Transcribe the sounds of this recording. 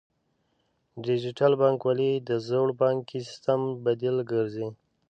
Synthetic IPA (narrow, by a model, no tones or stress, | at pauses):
ɖid͡ʒɪʈalbɑŋkwalid̪əzoɽbɑŋkisst̪ambad̪ilɡəɾzi